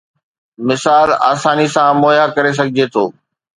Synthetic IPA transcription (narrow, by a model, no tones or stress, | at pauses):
mɪsaːla̰ːsaːnisãmoːjakɐɾes̬ɐɡʱɪd͡ʑet̪ʰo̰ː